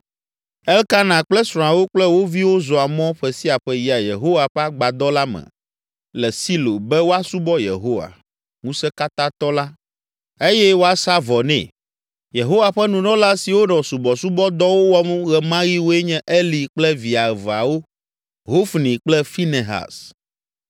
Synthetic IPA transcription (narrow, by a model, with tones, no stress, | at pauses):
ɛ˦lka˦nã˨k͡plɛ˦sɾ̃ɔ̃˨a˨wo˦k͡plɛ˦wo˦vi˦wo˦zɔ˨a˨mɔ̃˦ɸɛ˨si˦a˨ɸɛ˦ji˦a˨jḛ˨ɦo˦wa˨ɸɛ˦a˦ɡ͡ba˨d̪ɔ˦la˦mɛ̰̃˨ | lɛ˨si˦lo̰˨bɛ˦wo˦a˦su˦bɔ˦jḛ˨ɦo˦wa̰˨ | ŋũ˦sɛ˦ka˦t̪ã˦t̪ɔ˦la˦ | e˦jɛ˦wo˦a˨sa˦vɔ˨nɛ̰̃˨ | je˨ɦo˦wa˨ɸɛ˦nũ˨nɔ̃˦la˦si˨wo˦nɔ̃˨su˨bɔ˨su˦bɔ˦d̪ɔ˦wo˦wɔ˦m˦ɣɛ˨mã˦ɣi˦wo˦ɛ˦ɲɛ̃˦ʔe˦li˨k͡plɛ˦vi˨a˨ɛ˨va˨wo˦ | ɦo˦fnĩ˨k͡plɛ˦fi˦ne˨ɦa̰˨s